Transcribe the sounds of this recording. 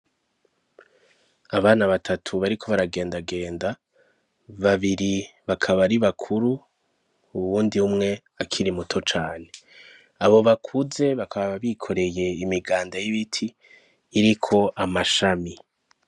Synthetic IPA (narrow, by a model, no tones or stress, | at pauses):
aβaːnaβatʰatʰuβaɾikʰo̞βaɾaɡe̞ːndaɡe̞ːnda | βaβiɾiβakʰaβaɾiβakʰuɾu | uβuːndiumŋe̞ | akʰiɾimutʰo̞t͡ʃaːne̞ | aβo̞βakʰuze̞βakʰaβaβaβikʰo̞ɾe̞je̞imiɡaːndajiβitʰiː | ɾikʰo̞ʔamaʃami